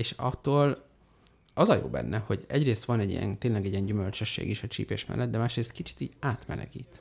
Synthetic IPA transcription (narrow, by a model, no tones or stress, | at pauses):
eːʃɒt̪ːoːl | ɒzɒjo̰ːbɛ̰nːʔɛho̞ɟɛɟreːst̪ʋɒnɛɟḭjɛ̰nt̪eːnlɛɡɛɟiɛɲɟymølt͡ʃøʃːḛːɡiʃɒt͡ʃḭːpeːʃmɛ̰lːɛd̪d̪ɛmaːʃreːst̪kit͡ʃi̥t̪iːɟaːt̪mɛlɛ̰ɡiːt̪